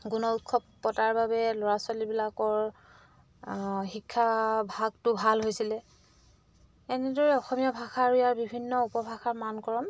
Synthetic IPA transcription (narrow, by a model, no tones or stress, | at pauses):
ɡunɔut̚kʰɔppːɔtaɹbabɛlɔɹaswalibilakɔɹ | xikʰːabʱaɡ̚tʊbʱalɦojsilɛ | ɛnɛdɔɹɛɔxɔmijabʱaxaɹʊjaɹbibʱinːɔupɔbʱaxaɹmankɔɹɔm